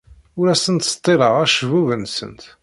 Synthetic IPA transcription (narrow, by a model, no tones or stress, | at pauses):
ʊɾæsənt̪st̪ˤːiɾˤəʁæʃvuvənsə̰nt̪